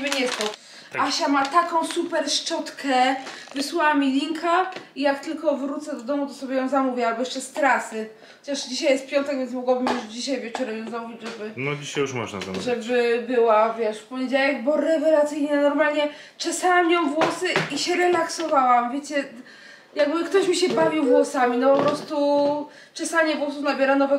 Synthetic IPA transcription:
bɲɛst̪ɔ | aaɕamat̪akɔ̃w̃supɛɾʂt͡ʂɔt̪kʰɛvɨswawamʲilʲiŋkʰaijakt̪ɘlkɔvɾut̪sɛd̪ɔd̪ɔmut̪ɔsɔbʲɛjɔ̃w̃zamuvʲjɛalbɔjɛʂt͡ʂɛst̪ɾasɘ | xɔt͡ɕaʂd͡ʑiɕajɛst̪̚pʲjɔnt̪ɛkvʲjɛnmɔɡwabɘmjuʐd͡ʑiɕajvʲjɛt͡ʂɔɾɛmjɔ̃zamuvʲid͡ʑʐɛbɘnɔd͡ʑiɕajuʂmɔ̰ʐna̰za̰ʐɛbɘbɘwavʲjɛʂfpɔɲed͡ʑawɛɡbɔɾɛvɛlat̪sɘjɲɛnɔɾmalɲɛ | t͡ʂɛsawamjɔ̃w̃vwɔsɨiɕɛɾɛlaksɔvawamvʲjet͡ɕɛ | jaɡ̚bɘkt̪ɔɕmʲiɕɛbavʲiwvwɔsamʲinɔpɔpɾɔst̪u | t͡ʂɛsaɲɛvwɔɔsunabʲjɛɾanɔvɛ

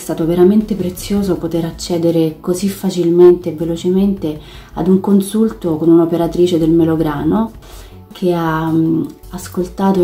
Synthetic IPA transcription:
st̪aːt̪oveɾament̪epɾet̪sːjoːzopot̪eɾat͡ʃːɛːd̪eɾekozifːat͡ʃilment̪eːvːelot͡ʃement̪e | ad̪uŋkonsult̪okonunopeɾat̪ɾiːt͡ʃed̪elmeloɡɾaːno | kʰea | askolt̪aːt̪o

